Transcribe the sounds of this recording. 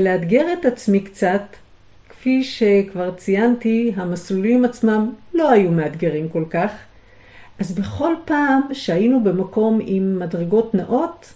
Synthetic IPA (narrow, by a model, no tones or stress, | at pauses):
lead̪ɡe̞ʁe̞tat͡smikt͡sat̪ | kfiʃe̞kvaʁt͡sijantiɦamaslulimat͡smamlo̞ajumeadɡe̞ʁimko̞lkaχ | ʔazbe̞χo̞lpaːmʃehajinube̞mako̞mimːadʁeɡo̞tnaʔo̞t